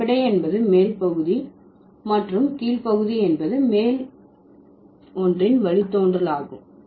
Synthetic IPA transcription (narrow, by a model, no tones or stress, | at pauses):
ɪɽɐɪɛnbɐðɯmeːlpɐɣɯði | mɐʈrɯmkiːlpɐɣɯðiɛnbɐðɯmeːl | ɔndrɪnʋɐɭɪt̪ːoːndrɐɭaːɣɯ̰m